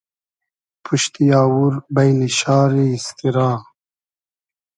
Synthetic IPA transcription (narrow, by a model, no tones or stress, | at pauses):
pʰuʃt̪ijɑːwuɾbajliʃɑːɾiːst̪iɾɑː